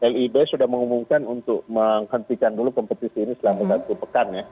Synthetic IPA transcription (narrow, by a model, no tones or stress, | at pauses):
ɛlibesudahməŋumumkanunt̪ʊk̚məŋhənt̪ikandulukɔmpət̪isiːnisəlamasat̪upəkanja